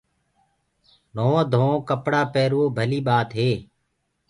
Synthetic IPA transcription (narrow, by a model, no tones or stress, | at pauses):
noːõːd̪ʱõːõːkəpɽaːpeːɾoːbʱəliːɓaːt̪ɦeː